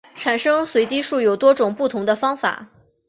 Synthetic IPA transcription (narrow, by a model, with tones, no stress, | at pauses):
ʈ͡ʂʰa˨˩nʂɤ˥ŋswe˧˥ɪt͡ɕi˥ʂu˥˩jo˨˩ʊt̪wɔ˥ʈ͡ʂʊ˨˩ŋpu˥˩t̪ʰʊ˧˥ŋd̪ə˧fɑ˥ŋfa̰˨˩˦